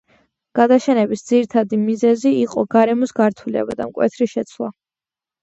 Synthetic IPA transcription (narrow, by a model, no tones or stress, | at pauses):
ɡ̥ad̪aʃɛnɛbisd̪ziɾit̪ʰad̪imizɛziiqʼɔɡaɾɛmɔsɡaɾt̪ʰulɛ̰ba̰d̪amkʼwɛ̰t̪ʰɾiʃɛt̪sʰlˠa̰